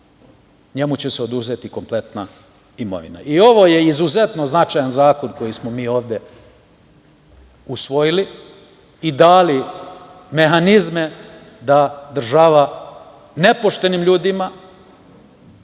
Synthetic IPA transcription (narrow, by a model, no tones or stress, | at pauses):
ɲe̞mut͡ɕe̞seo̞d̪uze̞t̪iko̞mple̞t̪na | imo̞̰ʋḭna̰ʔio̞ʋo̞jeizuze̞t̪no̞znat͡ʃajanzaːko̞nko̞jismo̞miːo̞ːʋd̪je̞ | usʋo̞jiliː | d̪aːli | me̞ɦanizme | d̪ad̪r̩ʒaʋa | ne̞po̞ʃt̪e̞nimʎuːd̪ima